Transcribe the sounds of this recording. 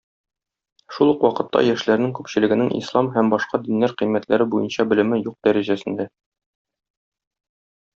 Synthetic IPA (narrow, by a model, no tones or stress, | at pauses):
ʃulˠɤqwɒqɤ̆t̪ːɑ̰jæʃlæɾnɘŋkʉpɕɘ̆lɘ̆ɡɘ̆nɘŋʔḭslˠɑmɦæmbɒʃqɑd̪inlæɾqĭjmːæt̪læɾɘbujɤnɕɑbɘ̆lɘ̆mɘjuq̚d̪æɾæʑæsɘ̆nd̪æ